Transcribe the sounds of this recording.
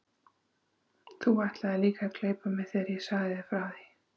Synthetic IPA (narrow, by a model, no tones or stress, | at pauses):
θuvajht̪laðɪliːkakleːjpamɛðθeaɾjɛsaːɣðɪðɪfɾaːði